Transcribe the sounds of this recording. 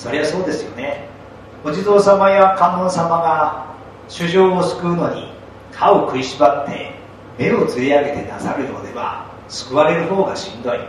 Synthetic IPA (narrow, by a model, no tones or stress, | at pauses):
so̞ɾe̞βaso̞ːd̪e̞sɨjo̞̰ne̞ | od͡ʑid̪o̞ːsamajakãmõsamaɡa | ɕɨʑo̞ːsɨ̥kɯ̟ɯno̞ɲ̟ḭ | kʰao̞kɯ̟iɕibat̪ʰːe̞̰ | me̞o̞t͡sɨɾʲiaɡe̞t̪e̞nasaɾɯ̟jod̪e̞βa̰ | sɨ̥kɯ̟βaɾe̞ɾɯ̟ɦo̞ːɡaɕĩnd̪o̞i